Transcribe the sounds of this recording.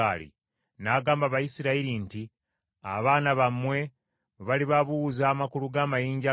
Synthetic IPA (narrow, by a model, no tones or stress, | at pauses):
alḭ | naːɡaːmbaβajisiɾaiɾinti | a̰βaːnaβamwe̞ | βaliβaβuwuzaːmakuluɡaːmajiːɲɟa